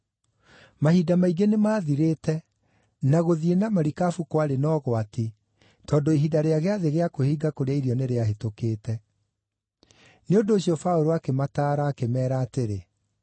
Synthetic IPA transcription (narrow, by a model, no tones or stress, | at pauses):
mahidamaiɡenemaːðiɾetɛ | naɣoðienamaɾikafukwaɾenɔːɣwati | tɔːndoiɦidaɾeaɣeaðeɣeakohiːɡakoɾeaiɾiɔneɾeaɦetokeːtɛ | neondoːɕiɔfaoɾoakemataːɾaːkemɛːɾaːteɾe